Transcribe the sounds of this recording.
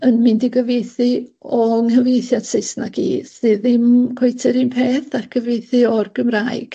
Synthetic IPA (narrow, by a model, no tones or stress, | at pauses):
ənmɪndiɡəvejθɨɔŋhəvejθjad̥sɪɨsnaɡ̥ḭːsɨːðɪmkʰwejtʰɪɾinpʰeːθaɡ̥əvejθɨɔrɡ̥əmraːɨɡ̥